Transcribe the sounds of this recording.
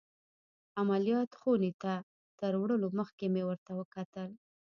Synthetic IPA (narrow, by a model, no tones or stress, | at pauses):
amalijɑt̪xonet̪a | t̪əɾwɽəloməxkemewəɾt̪awəkat̪əl